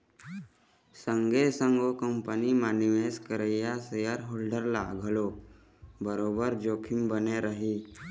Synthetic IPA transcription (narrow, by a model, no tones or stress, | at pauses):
sə̃ŋɡesə̃ŋɡʱokəmpənimaːniʋeskəɾəijasejəɾɦoːlɖəɾla̰ːɡʱəlo | bəɾoːbəɾd͡ʒoːkʰɪmbəneɾəɦiː